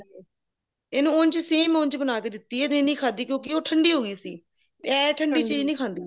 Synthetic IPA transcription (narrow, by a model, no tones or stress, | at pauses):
eːnũːont͡ʃseːmõːnt͡ʃbənaːkeːd̪ɪt̪ːiːɛẽːnĩːkʰãːnd̪iːkjõːk̬ɪoːʈʰəɳɖiːɦoːɡiːsḭː | ɛ̃ːʈʰəɳɖiːt͡ʃiːd͡ʒnĩːkʰãːnd̪iː